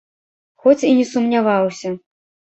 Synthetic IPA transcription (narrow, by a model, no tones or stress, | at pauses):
xɔt͡sʲinʲɛsumnʲavawsʲɐ